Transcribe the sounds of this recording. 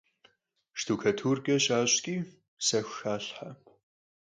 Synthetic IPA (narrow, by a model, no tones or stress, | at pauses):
ʃtʰuːkʰɐtʰuːrɡɐɕaːɕʼɡʲʼiː | sɐxʷxaːɬħapʰ